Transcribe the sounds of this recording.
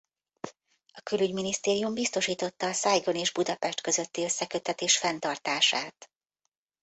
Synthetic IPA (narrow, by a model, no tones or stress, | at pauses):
ɒkylyɟminist̪eːɾijumbist̪o̞ʃiːt̪o̞t̪ːɒːsajɡo̞neːʒbud̪ɒpɛʃt̪kø̞zø̞t̪ːiø̞sːɛkø̞t̪ːɛt̪eːʃfɛnt̪ɒrt̪aːʃaːt̪